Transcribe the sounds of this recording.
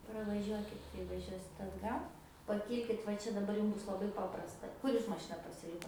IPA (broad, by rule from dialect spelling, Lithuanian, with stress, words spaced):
prɐʋɐˈʒʲuɔkʲɪt kɐɪ ʋɐˈʒʲuɔsʲɪt ɐdˈɡɐlˠ pɐˈkʲiːlʲkʲɪt ʋɐ ˈt͡ʃʲɛ dɐˈbɐr ˈjuːm ˈbʊs lˠɐˈbɐɪ ˈpɑːprɐstɐ ˈkʊr juːs mɐˈʃʲɪnɐ pɐsʲɪˈlʲɪkoːt